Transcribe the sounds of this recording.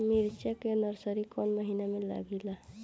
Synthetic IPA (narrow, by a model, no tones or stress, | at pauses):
miɾt͡ʃakenəɾsəɾikɔnməɦinamela̰ɡila